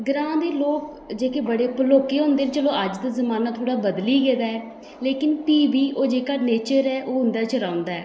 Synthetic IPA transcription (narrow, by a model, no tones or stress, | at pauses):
ɡɾãːd̪eːloːk | d͡ʒeːkeːbəɽeːpəloːkeːɦõːnd̪eːnt͡ʃəlõːəd͡ʒd̪aːzəmaːnaːt̪ʰoːɽaːbəd̪liːɡɛːd̪aːɛː | leːkɪnpiːbiːʔoːd͡ʒeːkaːneːt͡ʃəɾɛːʔoːɦʊnd̪aːt͡ʃəɾaːʊ̃nd̪aːɛː